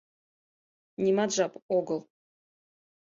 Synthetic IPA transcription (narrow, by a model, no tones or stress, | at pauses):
nʲimad̪ʒɑpoɡɤlˠ